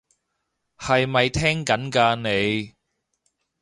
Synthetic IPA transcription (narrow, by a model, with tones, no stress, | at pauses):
hɐ˨jmɐ˨jt̪ʰɛː˥ŋkɐ˨˥nkaː˧ne˨˧j